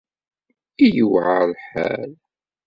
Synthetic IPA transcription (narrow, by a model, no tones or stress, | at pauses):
ijəwʕalħæ̰l